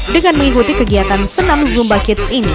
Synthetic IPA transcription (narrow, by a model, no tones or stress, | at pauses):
dəŋanməŋikut̪ikəɡiat̪ansənãmzumbakɪt̪sini